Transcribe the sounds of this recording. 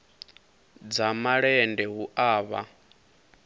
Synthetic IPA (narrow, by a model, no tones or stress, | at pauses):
d͡zamaɺɛndɛɦuʔaːβa̰